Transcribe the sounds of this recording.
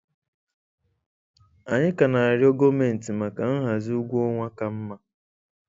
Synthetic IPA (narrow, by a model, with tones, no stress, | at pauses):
a˨ɲɪ˦ka˨na˨a˨ɾjo˦ɡo˦me˨n̩˨ti˨ma˨ka˨n̩˦ɦa˨zi˦u˦ɡʷu˦ɔ˦ŋʷa˦ka˨m̩˦ma˦